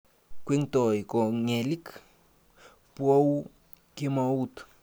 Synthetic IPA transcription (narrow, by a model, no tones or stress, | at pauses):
kʷiŋt̪ojkoŋelik | pow | kimaut̪